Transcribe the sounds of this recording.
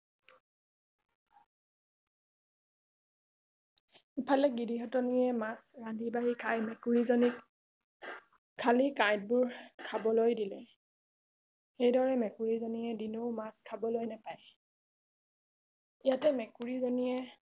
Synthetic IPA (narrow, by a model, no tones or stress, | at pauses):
ipʰalɛɡidiɦɔtɔnijɛmasɹandʱibaɦikʰajmɛkuɹizɔni | kʰːalikajd̚bʊɹkʰabɔlojdilɛ | xejdɔɹɛmɛkuɹizonijɛdinoʊmaskʰabɔlojnapaj | ijatɛmɛkuɹizonijɛ